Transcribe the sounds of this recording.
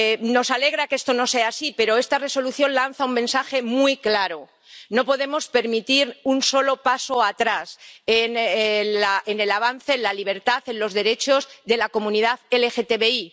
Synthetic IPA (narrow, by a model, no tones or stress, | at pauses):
no̞sale̞ɣ̞ɾakest̪o̞no̞se̞aːsipeɾo̞e̞st̪are̞so̞luθjo̞nlan̟θaummẽ̞nsaxe̞mwiklaɾo̞ | no̞po̞ðe̞mo̞spe̞ɾmit̪iɾunso̞lo̞paso̞at̪ɾasen | aene̞laβan̟θe̞nlaliβ̞e̞ɾt̪aθe̞nlo̞zðe̞ɾe̞t͡ʃo̞zðe̞lako̞mũniðaðelexet̪eβe̞i